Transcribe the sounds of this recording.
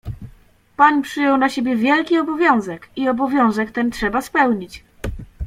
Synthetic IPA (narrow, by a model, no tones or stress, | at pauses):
paɲpʂɘjɔ̃wnaɕebʲjɛvʲjɛlkʲiɔbɔvʲjɔ̃w̃zɛkiɔbɔvʲjɔ̃w̃zɛkt̪ɛntʂɛbaspɛwɲit͡ɕ